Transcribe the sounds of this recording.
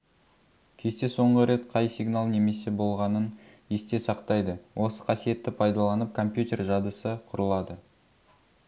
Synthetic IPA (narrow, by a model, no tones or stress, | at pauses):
kʲʰe̞st̪e̞so̞ɴʁəɾe̞t̪qʰɑjsiɡnalˠne̞me̞se̞bo̞lˠʁɑnən | e̞st̪e̞sɑqt̪ɑjd̪əwʔo̞sə̥qʰɑsije̞t̪ːɪpʰɑjd̪ɑlˠɑnəp̚kʰo̞mpjut̪ʲe̞rʒɑd̪əsəqʰʊɾəlˠɑd̪ə